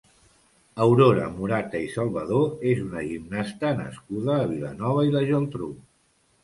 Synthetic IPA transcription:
əwɾoɾə̰muɾat̪əisəlˠβəðoezunəʒimnast̪ənə̰skuðəːβ̞ilə̰nɔβ̞əiləʒəlˠt̪ɾu

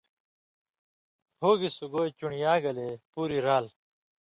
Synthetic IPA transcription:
hoːɡisuɡoːet͡ɕuɳijaːɡɐleːpuːɾiɾaːl

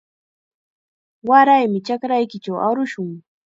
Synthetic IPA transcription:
waɾajmɪt͡ʃakɾajkɪt͡ʃawa̰ɾʊʃʊŋ

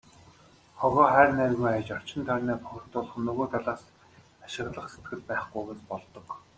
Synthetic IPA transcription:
χɔɣɔːχærnæwʲɪ̆ɣiajt͡ɕɔr̥t͡ɕɪ̆nt̪ʰœrʲnæːpʊxʲɞrt̪ʊɮχɞ̆nːɵɣoːt̪ʰaɮaːs | aʃɪ̆ɣɮə̆χse̥t̪ɡɘ̆ɮpæːχɡujɣeːspɔɮt̪ɞ̆k

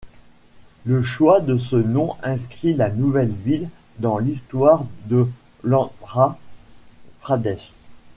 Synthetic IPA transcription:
ləʃwad̪əsənɔ̃ʔɛ̃skχilanuvɛlvil | d̪ɑ̃list̪waʁd̪ə | lɑ̃ʁa | pχad̪ɛʃ

